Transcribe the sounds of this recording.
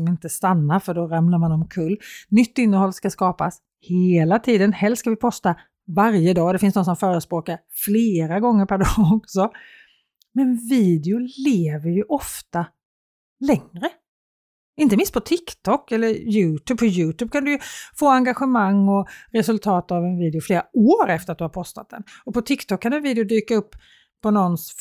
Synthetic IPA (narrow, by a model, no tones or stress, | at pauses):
mɪnt̪əst̪anːafœɖɔɾamlaɾmanɔmkʰɵlːnʏt̪ːɪnːəɦɔlːskaskɑːpas | heːlat̪ʰiːd̪ənhɛlsskavɪpʰɔst̪a | vaɾjəd̪ɑːd̪ɛfɪnsnɔnsɔmfœːɾəspɾoːkaɾ | fleːɾaɡɔŋːəɾpʰæɖɑːɔksɔ | mɛnviːd̪ɛʊlleːvəɾjɵʔɔft̪a | lɛŋɾə | ɪnt̪əmɪnst̪pʰɔt̪ʰɪkt̪ʰɔkːɛlːəɾjʉːt̪ʰʉːb̚pʰɔjʉːt̪ʰʉːb̚kʰand̪ɵjɵfoːaŋɡaɧəmaŋːɔɾɛsɵlt̪ʰɑːt̪avɛnviːd̪ɪʊfleːɾaoːɾɛft̪əɾat̪d̪ɵhaɾpʰɔst̪at̪̚ɛ̰nɔpɔt̪ʰɪkt̪ʰɔkʰːanɛnviːd̪ɪʊd̪yːkaɵpː | ɔnɔns